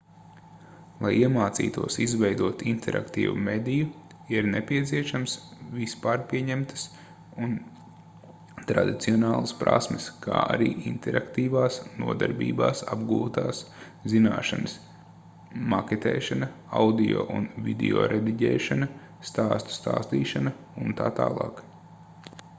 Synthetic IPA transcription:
lˠajiɛmaːt̪sḭːt̪uɔsizʋɛjd̪uɔt̪int̪ʰɛɾʔa̰kt̪ḭːvṵmed̪ʲiju | iɾnepʲiɛt̪siɛʃamsvʲispaːɾpʲiɛɲɛmt̪ə̥s | un | t̪ɾad̪it̪siɔnaːlˠaspɾa̰smɪskʰa̰ːʔa̰ɾiːʔint̪ɛɾʔakt̪iːʋaːsnuɔd̪aɾbḭːbaːsabɡuːt̪aːs | zinaːʃanəs | maket̪ɛ̰ːʃanɐ | awd̪ijo̰ːʔunvʲid̪ḭo̰ːɾʔed̪iɟɛːʃanɐ | st̪aːst̪u̥st̪aːst̪iːʃanɐ | unt̪aːt̪aːlˠɑːk

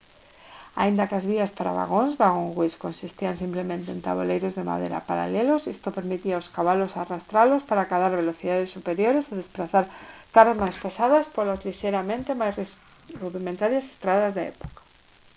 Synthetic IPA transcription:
a̰ind̪akazβiaspaɾa̰βa̰ɣonzβaɣoŋɣwiskonsist̪ians̬implemẽnt̪eḛnt̪a̰βo̰lejɾozðema̰ðḛɾa̰paɾa̰lelosist̪opeɾmit̪iaoskaβalosarast̪ɾalospaɾakaðaɾβeloθiðaðesːupeɾjoɾeseðespɾaθaɾkaɾazmajspesaðaspolazliʃeɾamẽnt̪emajs | ruðimẽnt̪aɾjase̥st̪ɾaðazðaḛpo̥kḁ

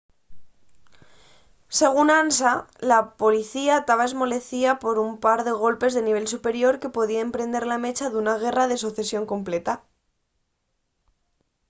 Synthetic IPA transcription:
se̞ɣ̞unansalapo̞liθiat̪aβaezmo̞le̞θiapo̞ɾumpaɾðe̞ɣ̞o̞lpe̞zðe̞niβ̞e̞lsupe̞ɾjo̞ɾke̞po̞ð̞iaempɾe̞nd̪e̞ɾlame̞t͡ʃaðunaɣ̞e̞rað̞e̞s̬uθe̞sjo̞ŋko̞mple̞t̪a

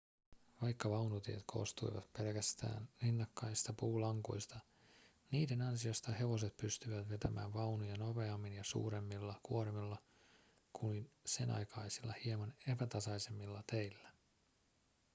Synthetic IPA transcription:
ʋɑjkːɑʋɑwnut̪iḛt̪kʰo̞̰st̪ujʋɑ̰t̪pe̞lkæst̪æ̰ːnrinːɑkːɑjst̪ɑpuːlɑŋkṵjst̪ɑ | niːde̞nɑnsiost̪ɑhe̞ʋo̞s̬e̞t̪̚pyst̪yʋæt̪ʋet̪æmæ̰ːʋʋɑwnujɑno̞pe̞ɑmːinjɑsṵːɾe̞mːilːɑkuoɾemilːɑ | kuinse̞nʔɑ̰jkɑjsilːɑ̰hiemɑne̞pæt̪ɑsɑjse̞mːilːɑt̪ejlːæ

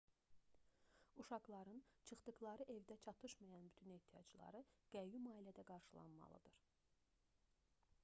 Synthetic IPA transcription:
uʃɑɡlˠɑɾɯnt͡ʃʰɯχd̪ɯɡlˠɑɾɯʔe̞vd̪æt͡ʃʰɑt̪ʰɯʃmɑjɑnbyt̪ʰyne̞ht̪ʰijɑ̰d͡ʒlˠɑ̰ɾɯɡ̥æjumɑːilæd̪æɡɑɾʃɯlˠɑ̰nmɑ̰lˠɯ̰d̪̥ɯɾ̥

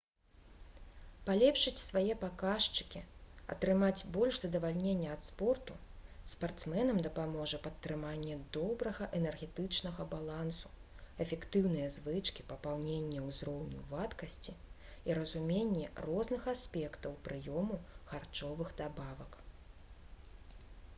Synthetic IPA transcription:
palʲɛpʂɨt͡sʲsvajɛpakaʂt͡ʂɨ̥kʲiɐ̰t̪ɾɨmad͡zʲbɔlʲʂzɐd̪ɐvalʲnʲenʲːɛɐt̪spɔrt̪uspart̪smɛnɐmd̪ɐpamɔʐɐpɐt̪ːɾɨmanʲːɛd̪ɔbɾɐɣɐʔɛnɛrɣʲɛt̪ɨt͡ʂnɐɣɐbalˠansu̥ | ɛfʲɛkt̪ɨwnɨjɐzvɨt͡ʂkʲipɐpawnʲenʲːɛwzrɔwnʲṵvat̪kɐsʲt͡sʲi | iɾɐzumʲenʲːɛrɔznɨxasʲpʲɛkt̪ɐwpɾɨjɔmuxart͡ʂɔvɨɣd̪abavɐk

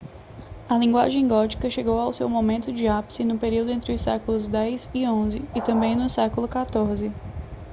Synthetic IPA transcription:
ɐlĩŋɡwa̰ʒẽj̃ɡɔt͡ʃi̥kɐʃeɡowawsewmomẽnt̪ʊd͡ʒɪapsɪnʊpeɾiwd̪ʊẽnt̪ɾɪʊsɛkʊlʊzd̪ɛjzɪõzɪɪt̪ɐ̃mbẽj̃nʊsɛkʊlʊkat̪oɾzɪ

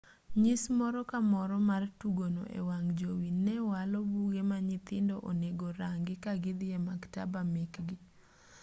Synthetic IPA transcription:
ɲɪsmɔɾɔkamɔɾɔmartuɡono̰ʔḛwaŋd͡ʒowinːɛwalɔbuɡemaɲɪt̪ɪndɔʔoneɡoɾaŋɡɪkaɡɪd̪ɪjɛmakta̰bamekɡɪ

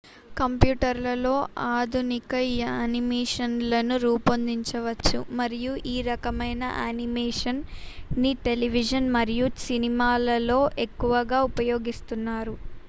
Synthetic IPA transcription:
kɐmpjuːʈɐɾlɐlo̞ːʔaːd̪ʱunikɐjaːnimeːʂɐnlɐnuɾuːpɐnd̪iɲt͡ʃɐʋɐt͡ʃːṵmɐɾijuʔiːɾɐkɐmɐjnɐ̰ʔaːnimɛːʂɐnniʈe̞liʋid͡ʒɐnmɐɾijusinimaːlɐlo̞ːʔekːuʋɐɡaːupɐjo̞ːɡist̪unːaːɾu

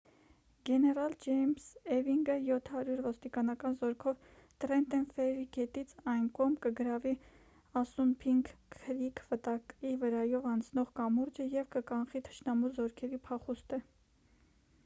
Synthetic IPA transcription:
ɡɛnɛɾɑld͡ʒɛjmsɛviŋɡəjɔt̪ʰhɑɾjuɾvɔst̪ikɑnɑkɑnzɔɾkʰɔvt̪ɾɛnt̪ɛnfɛɾiɡɛt̪it͡sʰɑjnkɔʁmkəɡəɾɑvi | ɑsunpʰiŋkʰːəɾikʰvət̪ɑkivəɾɑjɔvɑnt͡sʰnɔʁkɑmuɾd͡ʒəjɛvkəkɑnχit̪ʰə̥ʃnɑmuzɔɾkʰɛɾipʰɑχust̪ə

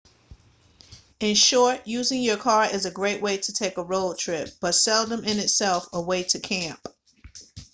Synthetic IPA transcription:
ɨ̃nʃɔɹtjʉzɪ̃ŋjə˞kʰɑɹɪzɨɡɹeɪʔ̚weɪɾɨtʰeɪkəɹoʊlˠtʰɹ̥ɪp̚b̥ʌtsɛlˠdə̃mɪ̃nɨtsɛlˠfəweɪɾɨkʰæ̃mp̚

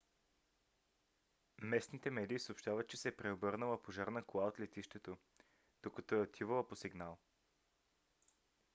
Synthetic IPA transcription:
mɛsnit̪ɛmɛd̪iːsoopʃt̪avət̪̚t͡ʃɛsɛpɾɛobɤɾnəlˠəpoʒaɾnəklˠaot̪lɛt̪iʃt̪ɛt̪o | d̪̥okɐt̪ɔɛot̪ʰivəlˠəposiɡnalˠ

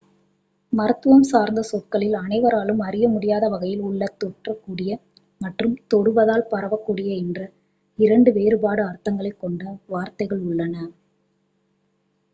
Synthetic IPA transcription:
mɐɾɐt̪ːɯʋɐmsaːɾnd̪ɐsɔkːɐɭɪlɐnɐɪʋɐɾaːlɯmɐɾɪjɐmʊɽɪjaːðɐʋɐɣɐjɪlʊɭːɐt̪ːɔʈrɐkːuːɽɪjɐ | mɐʈrɯmt̪ɔɽɯʋɐðaːlpɐɾɐʋɐkːuːɽɪjɐɛndrɐ | ɪɾɐɳɖɯʋeːɾɯbaːɽɯɐrt̪ːɐŋɡɐɭɐɪkːɔɳɖɐʋaːɾt̪ɐɪɣɐɭʊɭːɐnɐ

